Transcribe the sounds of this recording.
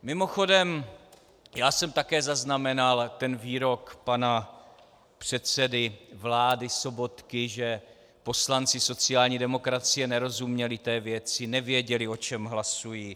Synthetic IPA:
mɪmo̞xo̞dɛm | jaːsɛmt̪akɛːzaznamɛnalt̪ɛnviːɾo̞kpana | pr̝̥ɛt̪t͡sɛdɪvlaːdɪso̞bo̞t̪kɪʒɛ | po̞slant͡sɪso̞t͡sɪjaːlɲiːdɛmo̞kɾat͡sɪjɛnɛɾo̞zumɲɛlɪt̪ɛːvjɛt͡sɪnɛvjɛɟɛlɪo̞t͡ʃɛmɦlasujiː

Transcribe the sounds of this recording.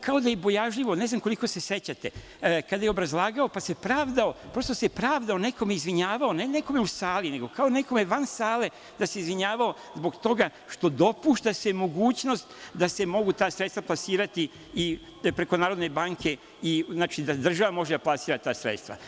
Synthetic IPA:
kao̞d̪ajebo̞jaʒʎiʋo̞neznamko̞likose̞se̞t͡ɕat̪e | kad̪ajeobɾazlˠaːɡao̞pase̞pɾaːʋd̪aopɾo̞st̪o̞sepɾaːʋd̪ao̞neko̞meizʋiɲaːʋaoneneko̞meusaːlineɡo̞kao̞ne̞ko̞me̞ʋansaːle̞ | d̪ase̞izʋiɲaːʋao̞ | zbo̞ɡt̪o̞ɡa | ʃt̪o̞d̪o̞puʃt̪asemo̞ɡuːt͡ɕno̞st̪d̪ase̞mo̞ɡut̪aːsɾet̪t̪vaplˠasiːɾat̪i | i | pɾe̞ko̞naːɾo̞d̪ne̞baːŋkʰe̞ | iznaːt͡ʃid̪ad̪r̩ʒaʋamo̞ʒed̪aplˠasiːɾat̪aːsɾḛt̪st̪ʋa̰

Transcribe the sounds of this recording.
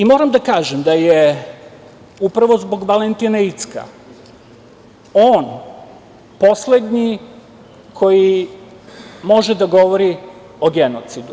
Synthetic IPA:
imoːɾamd̪akaːʒemd̪aje | upɾaʋo̞zbo̞ɡʋalent̪inait̪ska̰ | oːn | po̞sle̞d̪ɲi | kʰo̞ji | mo̞ʒed̪aɡo̞ʋo̞ɾi | oɡenot̪sid̪u

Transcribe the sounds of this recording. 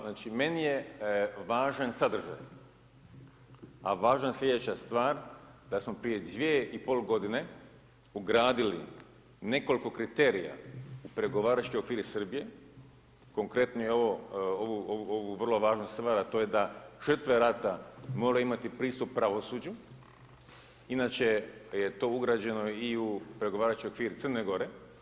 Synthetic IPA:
naːt͡ʃime̞nije̞ʋaːʒansad̪r̩ʒa̰j | a̰ʋaːʒanslʲe̞d̪et͡ɕast̪ʋaːɾd̪̥asmo̞pɾije̞d̪ʋʲjieʔipo̞ːlɡo̞d̪ine̞ | uɡɾaːd̪ilḭ | ne̞ko̞liko̞kɾit̪e̞ːɾija̰upɾe̞ɡo̞ʋaːɾat͡ʃkojo̞kʋiːɾisrbije̞ | ko̞ŋkɾe̞t̪nojeo̞ʋo̞oʋuooʋuʋr̩lˠo̞ʋaːʒnosst̪ʋaɾat̪o̞je̞d̪aʒ̥ərt̪ʋeɾat̪amo̞ɾeimat̪ipɾiːst̪uppːɾaʋo̞suːd͡ʑu | inat͡ʃe̞jet̪o̞ːuɡɾaːd͡ʑe̞no̞iupɾe̞ɡo̞ʋaːɾat͡ʃkojokʋiːɾit̪sərneɡo̞ɾe̞

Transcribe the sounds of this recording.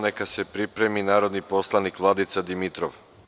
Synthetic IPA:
nekasepɾipɾe̞minaːɾo̞d̪nipo̞slˠanikʋlˠad̪it̪sad̪imit̪ɾo̰ʋ

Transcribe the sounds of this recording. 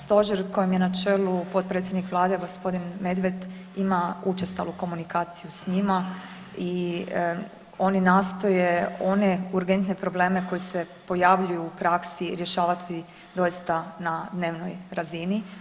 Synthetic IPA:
st̪o̞ʒeɾko̞jemjenat͡ʃe̞ːlupo̞t̪̚pɾet̪sʲjed̪nikʋlˠaːd̪eɡo̞spo̞d̪inme̞d̪ʋe̞d̪ | imaut͡ʃest̪a̰luko̞munikaːt̪sijusɲima | i | o̞ninaːst̪o̞jeo̞ne̞uɾɡe̞nt̪nepɾo̞ble̞ːmeko̞jese̞po̞jaʋʎujuːpɾaksiɾjeʃaːʋat̪ʰi | d̪o̞jist̪anad̪ne̞ːʋnojɾazini

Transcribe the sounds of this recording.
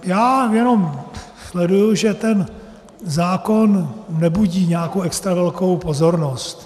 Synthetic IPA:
jaːjɛno̞m | slɛdujuʒɛt̪ɛn | zaːko̞nːɛbuɟiːɲɛakowʔɛkst̪ɾavɛlko̞wpo̞zo̞ɾno̞st̪

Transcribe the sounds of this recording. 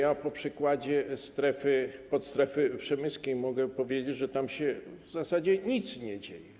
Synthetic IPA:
japɔpʂɨkwad͡ʑɛst̪ɾɛfɘpɔt̪st̪ɾɛfɘpʂɛmɘskʲejmɔɡɛpɔvʲjed͡ʑed͡ʑʐɛt̪amɕɛvzasad͡ʑɛɲit̪sɲɛd͡ʑḛjɛ

